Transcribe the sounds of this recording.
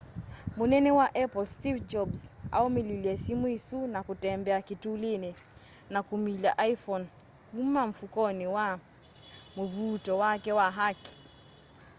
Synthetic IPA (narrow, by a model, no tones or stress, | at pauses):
munɛnɛwaʔɛpɔlstivd͡ʒɔbsa̰ɔmililiɛsimuisunakutɛmbɛakituːlini | nakumiʎa̰ʔajfɔn | kumaɱ̩fukɔniwa | muvutɔwakɛwaɦaki̥